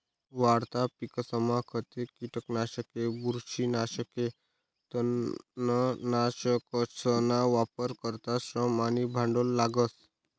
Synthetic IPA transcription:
ʋaɽt̪apikəsəmakʰət̪ekiʈəknaʃəkebuɾʃinaʃəke | t̪ənənaʃəkəsənaʋapəɾkəɾt̪asɾəmanibʱãɳɖolːaɡəs

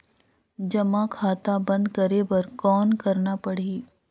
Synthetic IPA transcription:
d͡ʒɐmãkʰaːt̪abɐ̃nd̪kɐɾebɐɾkɔːnkɐɾnapɐɽ̤iː

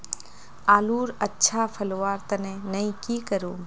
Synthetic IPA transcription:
aːluːɾətːʃʰapʰɐlʋaːɾt̪ɐnenɐĩkikəɾũː

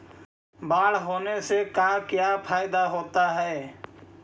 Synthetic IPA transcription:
baːɽɦoːnesekaːkjapʰaːjɪd̪aɦoːt̪aɦɛː

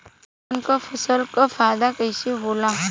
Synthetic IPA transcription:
nkəfʰəsəlkəfaːd̪akəjseɦoːla

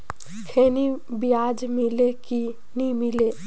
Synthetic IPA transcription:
kʰeːnibijaːd͡ʒmileki | nimile

